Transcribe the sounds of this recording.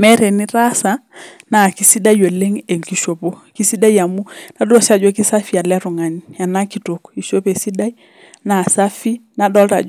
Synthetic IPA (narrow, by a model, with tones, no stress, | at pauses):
mɛ˦ɾe˨ni˦ɾa˦sa˨ | na˨ki˦si˦da˦jo˨le˦ŋe˨ŋki˨ʃo˨po˦ki˦si˦da˦ja˨mu˦na˦dɔ˦sa˨d͡ʒɔ˦ki˦sa˦fi˦a˨lɛ˦ɾʊ˨ŋa˨ɲja˨na˦ki˨to˨ki˨ʃo˦pe˨si˦da˦i˦ | na˨sa˦fi˦na˨dɔ˦lta̰˨d͡ʒ